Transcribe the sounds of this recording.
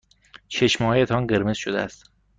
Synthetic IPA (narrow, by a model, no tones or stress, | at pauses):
t͡ʃʰeʃmhɒjet̪ʰɒnɢe̞ɾmez̥ʃod̪ḛæ̰st̪